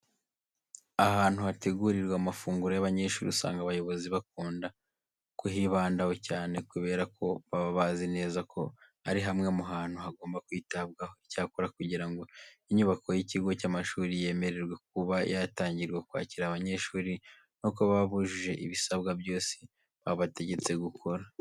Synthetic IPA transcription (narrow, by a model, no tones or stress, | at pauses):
aɦaːn̥huhate̞ɡuɾiɾɡwamafuːŋɡuɾojaβaɲe̞ʃṵːɾḭusa̰ːŋɡaβajo̞βo̞ziβak̚uːnda | kuɦiβaːndaho̞caːne̞kuβe̞ːɾakʰo̞βaβaβazine̞ːzakʰo̞̰ | aɾiɦamŋemuɦaːn̥huɦaɡo̞ːmbakwiːtabɡaho̞icaːkuɾakuɟiɾaŋɡo̞iɲuβako̞jiciɡo̞camaʃuːɾije̞ːme̞ɾe̞ɾɡwe̞k̚uβajataːɲɟiɾɡwekwa̰ːciɾaβaɲe̞ʃuːɾi | no̞koβaβuʒiʒe̞ʔiβisaβɡabjo̞ːsi̥ | βaβate̞ɟe̞t͡se̞ɡukʰo̞ɾa